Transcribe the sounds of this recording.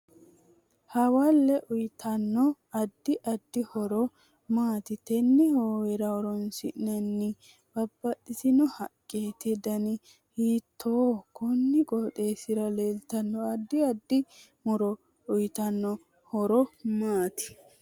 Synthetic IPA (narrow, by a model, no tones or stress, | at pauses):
hɐwɐlːɛʔʊjt̪ʰɐnːɔ | ɐd̪ːɪʔɐd̪ːɪhɔɾɔ | maːt̪ɪt̪ɛnːɪhoːwɛɾɐwɔɾɔnsɪʔnɐnːɪ | b̥ɐbːɐɗɪsɪnɔhɐkʼːeːt̪ɪd̪ɐnɪ | hiːt̪ʰːoːkɔnːɪɡɔːt̪e̞ːsɪɾɐleːlt̪ɐnːɔɐd̪ːɪɐd̪ːɪ | mʊɾɔ | ʊjt̪ɐnːɔ | hɔɾɔmaːt̪ɪ̥